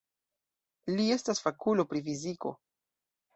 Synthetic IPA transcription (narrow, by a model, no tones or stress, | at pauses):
lie̞stasfakulo̞pɾifiziko̞̰